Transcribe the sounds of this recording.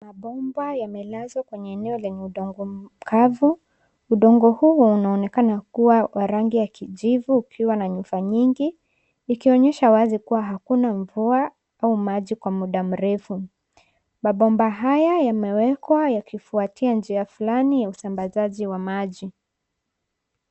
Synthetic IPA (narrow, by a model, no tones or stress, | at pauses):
maɓɔmbajamɛlazwakwɛɲɛːnɛɔlɛɲiuɗɔŋɡɔkʰavu | uɗɔŋɡɔhuunaɔnɛkanakuwawaɾaŋɡijakiʄivuːkʰiwanaɲufaɲiŋɡiː | kiɔɲɛʃawazikuwaɦakunaɱvua | aumaʄikwamuɗam̩ɾɛfu | maɓɔmbaɦajajamɛwɛkwajakifuatʰiand͡ʒiafulanijausambazaʄiwamaʄi